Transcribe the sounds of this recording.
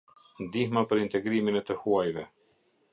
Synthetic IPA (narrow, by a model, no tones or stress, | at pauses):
nd̪ihmapəɾint̪ɛɡɾiminɛt̪əhuajvɛ